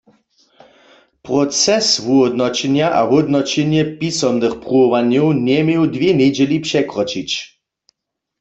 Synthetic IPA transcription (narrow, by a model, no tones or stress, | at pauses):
pʁɔt͡sɛsvuɦɔd̪nɔt͡ɕɛnjaʔa̰ɦɔd̪nɔt͡ɕɛnjɛpisɔmnɨxpʁuɔʋanjɔwnɛmjewd̪vjɛnɛd͡ʑɛlipʂɛkʁɔt͡ʃit͡ɕ